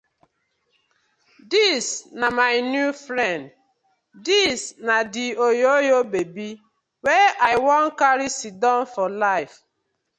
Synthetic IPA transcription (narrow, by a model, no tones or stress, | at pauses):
disnamaɪnjufɾɛ̃nd | disnadiojojobebi | wɛʔajwɔ̃nkaɾisidɔ̃nfɔlaɪf